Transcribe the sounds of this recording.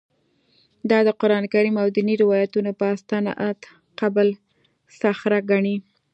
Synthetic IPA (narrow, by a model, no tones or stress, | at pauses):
d̪ɑd̪əqʊɾɑnkaɾimawd̪əniɾɪwɑjat̪unopəast̪ɑnɑ̰ʔat̪ | qabəl | saxɾaɡaɳi